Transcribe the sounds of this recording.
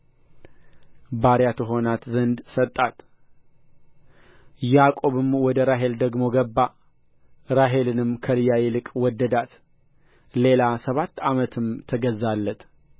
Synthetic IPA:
baɾjat̪ʰəɦo̞nat̪zənd̪sət̪ʼːat̪ | jakʼo̞βɨmwɔd̪əɾaɦe̞ld̪əɡmo̞ɡəbːa | ɾaɦe̞lɨnɨmkʰəlɨjajelɨkʼwɔd̪ːəd̪at̪ | le̞lasəβat̪ːamət̪ʰɨmt̪ʰəɡəzːalːət̪

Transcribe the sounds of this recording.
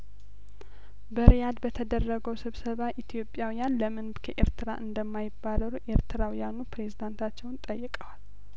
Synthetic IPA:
bəɾijad̪bət̪ʰəd̪ərːəɡəwsɨβsəβaʔit̪ʰijo̞pʼjawijanləmɨnbkʰəʔe̞ɾt̪ʰɨɾa̰ʔɨnd̪əmːajɪbːaləɾuʔe̞ɾt̪ʰɨɾawjanupɾe̞zid̪ant̪ʰat͡ʃːɛwnt̪ʼəjːɪkʼəwal

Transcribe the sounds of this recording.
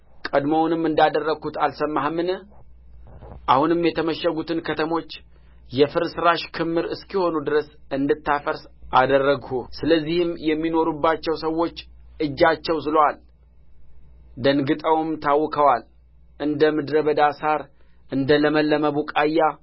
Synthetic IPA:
kʼəd̪mownɨmːɨnd̪ad̪ərːəɡ̥hut̪alsəmːahmːɨn | ʔahunɨmjɛt̪ʰəməʃːəɡut̪ʰɨnkʰət̪ʰəmo̞t͡ʃː | jɛfɨɾsɨɾaʃkʰɨmːɨɾɨskiho̞nud̪ɨɾəsɨnd̪ɨt̪ʰːafəɾsʔad̪ərːəɡhusɨləzːihɨmjɛmːino̞ɾubːat͡ʃːɛwsəwo̞t͡ʃːɨd͡ʒːat͡ʃːɛwzɨlowal | d̪ənɡɨt̪ʼəwmt̪ʰawːɨkʰəwal | ʔɨnd̪əmɨd̪ɾəβəd̪asaɾ | ʔɨnd̪ələməlːəməβukʼajːa

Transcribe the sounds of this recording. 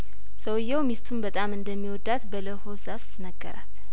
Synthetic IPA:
səwjːɛwmist̪ʰumbət̪ʼamɨnd̪əmːiwɔd̪ːat̪bələhosast̪ʰnəɡːə̰ɾa̰t̪

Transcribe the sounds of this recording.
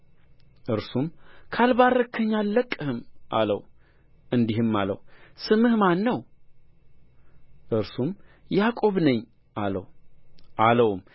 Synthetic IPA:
ʔɨɾsumkʰalβarəkʰːəɲːalːəkʼːɨhɨmʔa̰ləw | ɨnd̪ihɨmːalə̰wsɨmɨhmanːəw | ʔɨɾsumjakʼo̞βnəɲː | ʔalə̰wʔaləwm

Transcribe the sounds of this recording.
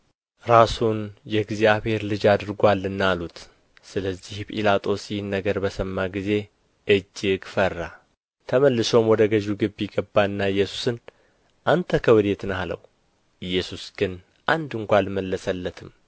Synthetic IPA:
ɾasunjɛɡzjaβhe̞ɾlɨd͡ʒad̪ɨɾɡʷalːɨnːalut̪ | sɨləzːihpʼḭlat̪ʼo̞sjɪhnːəɡəɾbəsəmːaɡize̞ | ʔɨd͡ʒːɪɡfərːa | t̪ʰəməlːɨso̞mwɔd̪əɡəʒuɡɨbːiɡəbːaɨnːaɨjːɛsu̥sɨn | ʔant̪ʰəkʰəwɨd̪e̞t̪nalə̰w | ɨjːɛsusɡ̥ɨn | ʔand̪ɨŋkʷalməlːəsəlːət̪ʰɨm

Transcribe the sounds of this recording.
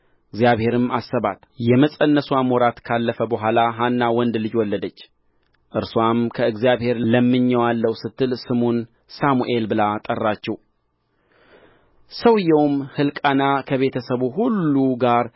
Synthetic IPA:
ɨɡzjaβhe̞ɾɨmasːəβat̪jɛməsʼənːəswamwɔɾat̪kʰalːəfəbəɦʷalaɦanːawɔnd̪lɨd͡ʒwɔlːəd̪ət͡ʃː | ʔɨɾswamkʰəɨɡzijaβhe̞ɾləmːɨɲːɛwalːəwsɨt̪ːɨlsɨmon | samuʔe̞lbɨlat̪ʼərːat͡ʃːɛw | səwɨjɛwmhɨlkʼanakʰəβe̞t̪ʰəsəβuɦulːuɡaɾ

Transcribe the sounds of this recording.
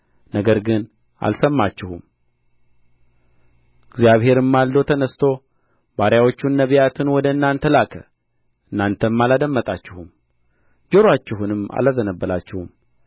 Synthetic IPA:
nəɡəɾɡɨn | ʔa̰lsəmːat͡ʃːɪhum | ɪɡzjaβhe̞ɾɨmːald̪o̞t̪ʰənəst̪ʰo̞ | baɾjawo̞t͡ʃːunːəβijat̪ʰɨnwɔd̪əɨnːant̪ʰəlakʰə̰ | ɨnːant̪ʰəmːalad̪əmːət̪ʼat͡ʃːɪhum | d͡ʒəɾwat͡ʃːɪhunɨma̰lazənəbːəlat͡ʃːɪhum

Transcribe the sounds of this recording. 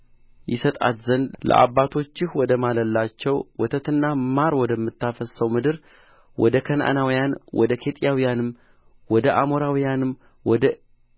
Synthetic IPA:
jɪsət̪ʼa̰t̪zənd̪lə̰ʔa̰βːat̪ʰo̞t͡ʃːɪhwɔd̪əmaləlːat͡ʃːɛwwɔt̪ʰət̪ɨnːamaɾwɔd̪əmːɨt̪ːafəsəwmɨd̪ɨɾ | wʔɔd̪əkʰənʔa̰nawijanwʔɔ̰d̪əkʰe̞t̪ʼijawijanɨm | wɔd̪əʔamoɾawijanɨm | wɔd̪ə

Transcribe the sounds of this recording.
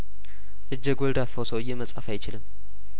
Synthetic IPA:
ʔɨd͡ʒːəɡold̪afosəwɨjːɛməsʼa̰fajt͡ʃɪlɨmː

